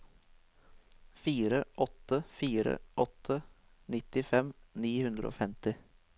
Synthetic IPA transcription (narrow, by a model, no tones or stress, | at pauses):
fiːɾəʔɔt̪əfiːɾə̰ʔɔt̪ʰə | nɪt̪ɪfɛmniːhʉnd̪ɾə̰o̰ːfɛmt̪ɪ